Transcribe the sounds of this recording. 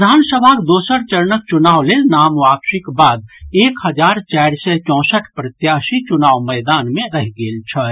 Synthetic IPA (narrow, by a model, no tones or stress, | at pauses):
d̪ʱansəbʱakd̪oːsəɾt͡ʃəɾnək̚t͡ʃunaːwlelnamʋakʃikbad̪̚eːkhəd͡ʒaːɾt͡ʃaɾsɛt͡ʃɔ̃ːsəʈʰpɾət̪jasit͡ʃunaːʋməɪd̪anmẽɾəɦɡeːlt͡ʃʰə